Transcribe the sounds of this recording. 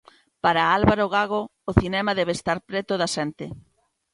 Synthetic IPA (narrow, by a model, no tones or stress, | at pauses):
paɾaalβaɾoɣaɣoːθinɛmɐðɛβ̞est̪aɾpɾet̪oðɐsɛnt̪ɪ